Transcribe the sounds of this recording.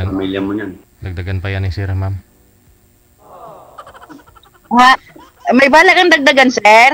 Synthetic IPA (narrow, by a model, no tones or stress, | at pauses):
amiljɐmoɲan | d̪ɐɡ̚d̪aɡanpɐjanisɛɾmam | ha | mɐjbaːlakɐŋd̪ɐɡ̚d̪ɐɡansɛɾ